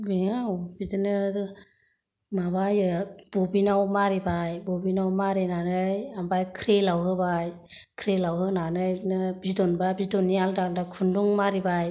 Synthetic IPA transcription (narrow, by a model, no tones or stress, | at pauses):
biŋawbidɯnɯ | mabajɯb̥ɔbinawmaɾibajbɔbinawmaɾenanɯjambajkʰɾelawɦɯbaj | kʰɾelawɦɯnanɯnɯbidɔnbabidɔnːialdaldakʰunduŋmaɾibaj